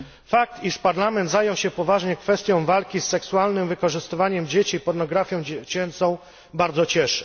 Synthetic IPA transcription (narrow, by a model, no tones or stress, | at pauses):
fak̚t̪iʂpaɾlamɛnd̪zajɔ̃w̃ɕɛpɔvaʐɲɛkfɛst̪ʲjɔ̃w̃valkʲisːɛksualnɘmvɘkɔʐɘst̪ɘvaɲɛmd͡ʑet͡ɕiːpɔɾnɔɡɾafʲjɔ̃w̃d͡ʑt͡ɕɛnt̪sɔ̃w̃ | baɾd̪zɔt͡ɕɛʂɘ̥